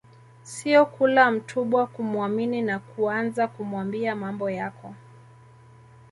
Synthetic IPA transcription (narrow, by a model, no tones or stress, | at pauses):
siɔkulam̩tʰuɓwakumwamininakuanzakumwambiamambɔjakɔ